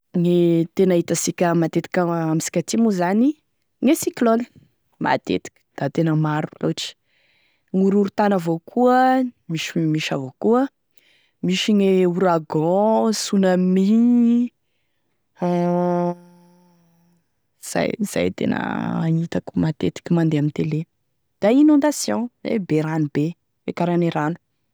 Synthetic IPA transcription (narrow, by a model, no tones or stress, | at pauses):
ŋet̪enaɦit̪asikʲəmat̪et̪i̥kʲaamisi̥kʲat̪imuzani | ŋesikloni̥ | ma̰t̪ḛt̪i̥kʲə̥d̪̥at̪enəmaɾuloʈ͡ʂi̥ | ŋuɾuɾut̪anəvokʰuəmiʃimiʃavokuə | miʃiŋeuɾaɡɔ̃sunami | z̥a̰jz̥a̰jt̪ḛnə̰anit̪akumat̪et̪i̥kʲimand̪eamint̪ele | d̪̥ainɔ̃nd̪asjɔ̃ḛbeɾanube | ekaɾaneɾanu̥